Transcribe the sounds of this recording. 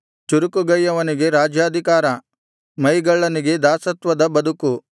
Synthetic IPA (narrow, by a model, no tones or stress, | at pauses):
t͡ʃuɾukuɡɐjːɐʋɐniɡe̞ɾaːd͡ʒjaːd̪ʱikaːɾɐ | mɐjɡɐɭːɐniɡe̞d̪aːsɐt̪ʋɐd̪ɐbɐd̪uku